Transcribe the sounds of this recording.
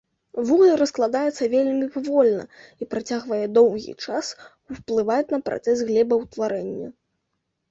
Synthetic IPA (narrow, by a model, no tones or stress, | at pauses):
vuɣlˠɨɾɐsklˠad̪ajɛt̪sːɐvʲelʲmʲipavɔlʲnɐ̰ipɾat͡sʲaɣvɐjɛd̪ɔwɣʲḭt͡ʂas | uplˠɨvajɛt͡sʲnɐpɾʔa̰t̪sɛsɣlʲɛbɐwt̪vaɾɛnʲːɐ̰